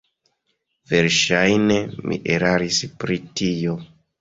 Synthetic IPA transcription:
ve̞ɾʃajne̞mḭʔeɾaɾispɾitijo̞

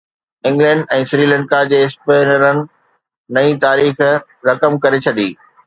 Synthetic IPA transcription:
ɪ̃ŋɡlɛ̃ːɳɖɛ̃ːsɾiːlɛ̃ːɳɖkad͡ʑeːɪspeːnəɾənɪ̆ | nɐĩt̪aːɾiːx | ɾɐkəmkɐɾet͡ɕʰɐɗḭː

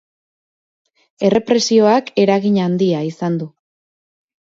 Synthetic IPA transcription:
e̞re̞pɾe̞sio̞ake̞ɾaɣiɲand̪iaisand̪u

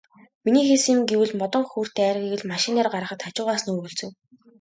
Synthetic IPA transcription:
miniːxesiŋɡewɘ̆ɮmɔt̪ɞ̆ŋxur̥t̪æːɾɣeɣɘ̆ɮmaʃɪnaːrɢaɾə̆χə̆t̪χat͡ɕʊːʁaːs̆nɵɣɵ̆ɮt͡sɵ̆w

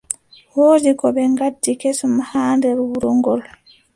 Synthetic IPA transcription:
woːdikɔɓɛŋɡadːikesɔmahaːndɛɾwuɾɔŋɡɔl

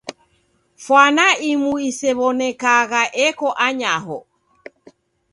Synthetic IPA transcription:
fwanaimuisɛβɔnɛkaɣaʔɛkɔʔaɲaɦɔ

